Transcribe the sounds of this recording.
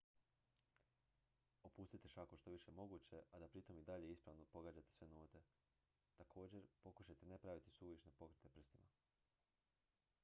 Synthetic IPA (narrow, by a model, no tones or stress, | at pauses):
opuːst̪it̪eʃakoʃt̪o̞ʋiʃemo̞ɡuːt͡ɕe̞ʔad̪apɾit̪o̞mid̪aʎeispɾaʋno̞po̞ɡaːd͡ʑat̪esʋe̞noːt̪e̞ | t̪akʰo̞ːd͡ʑe̞ɾpo̞kuʃajt̪enepɾaʋit̪isuːʋiʃne̞po̞kɾet̪e̞pr̩st̪ima